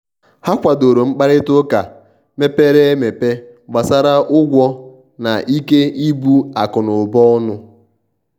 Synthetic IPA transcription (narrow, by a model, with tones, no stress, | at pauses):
ha˦kʷa˨do˨ɾo˨ŋ͡m̩˦k͡pa˦ɾɪ˦tʊ˦ka˨ | me˦pe˦ɾe˦me˨pe˦ | ɡ͡ba˨sa˦ɾa˦ʔʊ˦ɡʷɔ˦ | na˨ʔi˦ke˦i˦bu˦a˨kʊ˨nʊ˨bɔ˦nʊ˦